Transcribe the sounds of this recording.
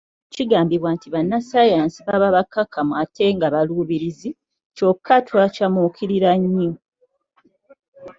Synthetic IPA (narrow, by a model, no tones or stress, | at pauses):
ciɡaːmbiβwantiβanːasajaːnsiβaβaβakːakʰamuwatʰe̞ŋɡaβaluːβiɾizi | co̞kʰːatʰwacamukʰiɾiɾaɲːo